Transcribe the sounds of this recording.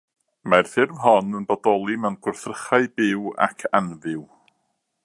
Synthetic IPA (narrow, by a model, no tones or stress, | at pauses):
marθɪrvɦɔnənbɔdɔlˠimɛwnɡ̥wʊrθrəχaɨbɪwa̰kʰanvɪw